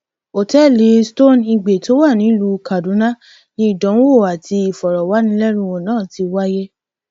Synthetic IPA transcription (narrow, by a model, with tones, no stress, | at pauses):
o˨tɛ˦le˨˦sto˦˨ni˧ɡ͡be˨to˦wa˦˨nĩ˨˦lu˧ka˨dũ˨˦nã˦ | nĩ˧˦i˦˨dɔ̃˨˦o˦˨a˨tʰi˧i˨fɔ˨ɾɔ˨wa˨˦nĩ˦lɛ˦ɾ̃ũ˧wo˨nãː˦˨ti˧wa˦je˦